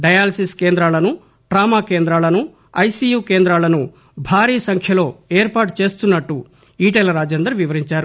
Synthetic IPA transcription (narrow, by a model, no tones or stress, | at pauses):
ɖɐjaːlɐsiskeːnd̪ɾaːlɐnu | ʈɾaːmaːke̞ːnd̪ɾaːlɐnu | ɐjsiːjuːkeːnd̪ɾaːlɐnu | bʱaːɾiːsɐŋkʰjɐlo̞ːeːɾpaːʈt͡ʃe̞ːst̪unːɐʈːu | iːʈelɐɾaːd͡ʒɐnd̪ɾɐʋiʋɐɾiɲt͡ʃaːɾu